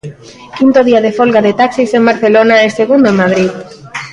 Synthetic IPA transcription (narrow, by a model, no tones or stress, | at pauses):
kint̪oðiaðefolɣaðet̪aksisembaɾθelonaeseɣund̪oemað̞ɾið